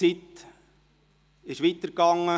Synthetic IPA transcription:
it̪ | ɪʃʋit̪əɾkɑŋːə

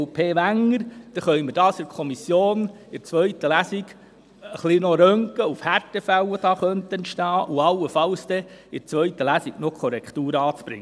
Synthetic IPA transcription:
pʰeːʋæŋːəɾd̪̥ɛχœjməd̥ɑːsɪɾkʰɔmisjoːn | ɪɾt͡sʋœɥt̪əlæsik | əχlinoɾœŋkəufhæɾtəfæwəd̥ɑːχœnt̪ənʃtɑːʔuɑwəfɑwsd̪ɛɪt͡sʋœɥt̪əlæsiɡ̥nokʰɔɾɛkχt̪uːɾɑːt͡sb̥ɾɪ̰ŋː

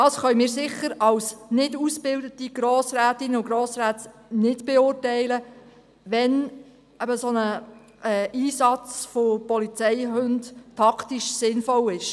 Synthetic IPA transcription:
dɑːsχœʏmɪːɾsɪχəɾɑlsnɪdusb̥ɪldətiɡ̥ɾoːsɾæːtɪnəʊɡɾoːsɾæːtsnɪdb̥ɛʊrtɛɪlə | ʋɛn | ɛbəsonə | ʔɛːʔiːsɑt͡sfopɔlit͡sɛɪhɵndtʰːɑktiʃsɪnfɔlɪʃ

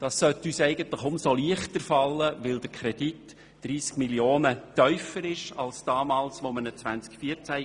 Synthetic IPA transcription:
d̥ɑssœt̪ysɛɪɡənt̪ləχʊmsoliəχtdəɾfɑlːəʋɪld̥əɾkʰɾɛd̥it | d̥ɾiːskmiljoːnətœʏfəɾɪʃɑlsd̥ɑːmɑːlsʋomənət͡sʋænt͡skfiəɾt͡sæ

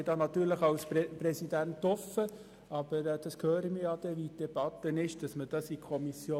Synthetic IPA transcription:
dɑːnɑt̪yːɾləχɑlspɾɛsidæntːɔfːə | ɑb̥əɾɛd̥ɑskʰhøːɾəmijɑːd̥ɛʋid̥ɛb̥ɑt̪ːənɪʃd̥ɑsməd̥ɑsikʰɔmisjoː

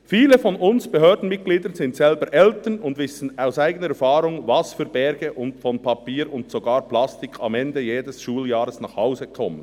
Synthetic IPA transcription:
fiːləfɔnʊnsb̥ɛɦøːɾdn̩mɪt̚ɡ̥liːdənzɪntsɛlbəɾʔɛltənʊndvɪsn̩aʊsaɪɡənəɛɾfɑːɾʊŋvɑsfyːɾbɛɾɡəʔʊntfɔnpʰɑpiːɾʊntsoɡaːɾplastɪkʰɑ̰mɛndəjeːdɛsʃuːljaːɾəsnaːχhaʊzəkʰɔmən

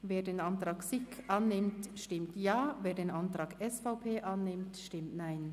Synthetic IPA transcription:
veːdeːnantʁ̥aːksɪkʔanːɪmtʃtɪmtjaːveːɐdeːnʔantʁ̥aːɡɛsfaʊpʰeːʔanːɪmtʃtɪmtnaɪn

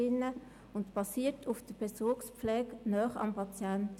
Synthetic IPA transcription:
ɪnə | ʊntb̥ɑsiːətʰufd̥əb̥ɛsʊkspp͡flɛːknœːχɑ̰mpʰɑt͡sjænt

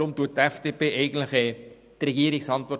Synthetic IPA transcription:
ʊmtuət̚tɛfd̥eːpeːʔɛɪɡən̩tləχɛ | trɛɡiːəɾɪksɑntʋɔ

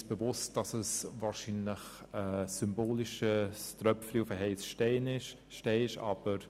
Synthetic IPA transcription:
sb̥əvʊst̚d̥ɑsəsvɑːɾʃinləx | əsʏmboːlɪʃəstrœpfliʊfəɦɛɪsʃtɛɪnɪʃ | ʃtɛɪʃɑ̰ːb̥əɾ

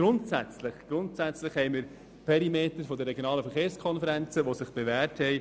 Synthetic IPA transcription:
ɡ̥ɾʊntsæt͡slɪχɡ̥ɾʊnt̪sæt͡sləχhɛjməɾ | pʰɛɾimeːt̪əɾfod̪əɾːeɡjonɑːləfəχeːɾskʰɔnfəɾænt͡səʋosɪχb̥evæːɾthɛɪ

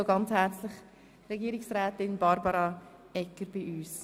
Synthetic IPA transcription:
oɡɑnt͡shɛrt͡slɪχ | reɡiːɾɪksrɛːtɪnbɑɾbəɾa | ɛkəɾb̥iyːs

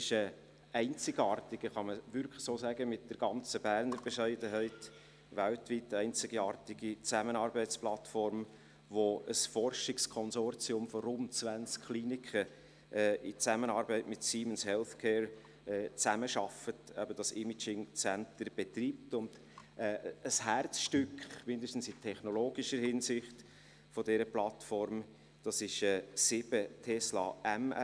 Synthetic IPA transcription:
ɪʃə | ɛɪnt͡sɪɡɑːɾtɪɡ̥əχɑməʋʏɾkʰlə̥soːsæɡəmɪt̚d̥əɾɡ̥ɑnt͡səbæɾnəɾb̥eʃæɪdəɦɛɪt | ʋæltʋitːɛɪnt͡sɪɡ̥iɑːɾtɪɡ̥it͡sæmənɑːɾbɛɪt͡splɑtfɔɾm | ʋoəsfɔrʃɪkskʰɔnsɔɾt͡siʊmfɔɾʊntt͡svænskχliːnɪkχə | ʔɛːɪt͡sæmənɑːɾbɛɪtmɪtsiːmənshɛlθkʰɛːɹ | ɛːt͡sæməʃɑfətæbəd̥ɑsɪmit͡ʃɪŋt͡sæntəɾb̥etriːp̚tʊnd̥ | ɛːəshæɾt͡sʃtʏkχmɪndəʃtn̩sɪtʰɛχnɔloːɡ̥iʃəɾhɪnsɪχt | fodɛɾəplɑtfɔɾm | d̥ɑsɪʃɛːsɪb̥ətʰɛslɑ̰ːæm

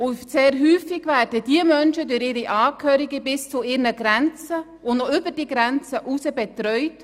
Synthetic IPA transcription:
ʊseːɾɦyːfɪɡvæːɾdədiəmœnʃədʊɾɪːɾiʔaːkʰœːɾiɡəbɪst͡sʊɪːɾnəɡɾɛnt͡sə | ʊnnɔʏbəd̥iːɡɾɛnt͡səʔusəbɛtɾœʏt

